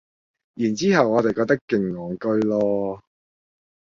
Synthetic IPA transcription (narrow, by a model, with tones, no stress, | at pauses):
jyː˨˩nt͡siː˥hɐ˨wɔː˨˧t̪e˨jkɔː˧k̚t̪ɐ˥kːɪ˨ŋːɔː˨˩ŋkɵ˧ɥlɔː˧